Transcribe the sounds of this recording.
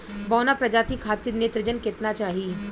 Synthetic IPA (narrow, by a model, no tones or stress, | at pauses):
bɔːnapɾɐd͡ʒaːt̪ʰikʰaːt̪iɾneːt̪ɾəd͡ʒənket̪nat͡ʃaːɦiː